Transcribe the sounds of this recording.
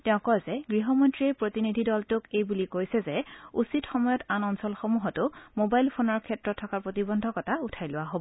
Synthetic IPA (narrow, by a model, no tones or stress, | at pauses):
tɛʊ̃kɔjzɛɡɹiɦɔmɔntɹiɛpɹotinidʱidɔltʊkejbulikojsɛzɛusitxɔmɔjɔtanɔnsɔlxomuɦɔtʊmobajlpʰonɔɹkʰɛtɹɔtʰːɔkaɹpɹotibɔndʱɔkɔtautʰajlʊwaɦobɔ